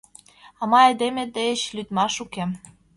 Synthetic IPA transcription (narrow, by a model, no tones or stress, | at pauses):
ɑmɑed̪emʲĕd̪eĕt͡ɕlyt̪mɑʃukem